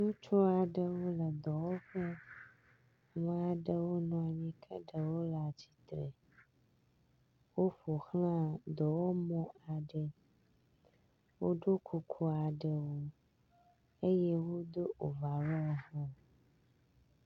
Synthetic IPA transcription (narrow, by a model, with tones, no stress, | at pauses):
nũ˦t͡ʃɔ˦a˨ɖə˦wo˦lə˨d̪ɔ˨wɔ˦ɸə˦ | ŋã˦a˨ɖə˨wo˦nɔ̃˨a˨mĩ˦kʰə̰˦ɖə˨wo˦la˨t͡ɕi̥˨t̪ɾə˨ | wo˦ɸo˨xlã˦d̪ɔ˨wo˦mɔ̃˦a˨ɖə˨ | wo˦ɖo˦kʰo˨kʰo˦a˨ɖə˨wo˦ | e˦jɛ˦wo˦d̪o˦ʔo˨va˨wɔ˦˨ɦɔ̃˦